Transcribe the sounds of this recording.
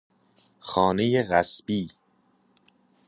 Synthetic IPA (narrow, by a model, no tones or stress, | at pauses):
xɒːne̞jeɣæsb̥iː